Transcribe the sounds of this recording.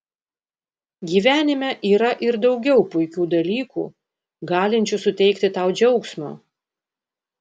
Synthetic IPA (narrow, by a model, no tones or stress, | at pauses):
ɡʲiːʋʲæːnʲɪmʲɛʔiːɾɐʔɪɾd̪ɒʊɡʲɛʊpʊɪkʲuːd̪ɐlʲiːkṵː | ɡɑːlʲɪnʲt͡ʃʲʊsʊt̪ʲɛɪkt̪ʲɪt̪ɑʊd͡ʒʲɛʊksmo̰ː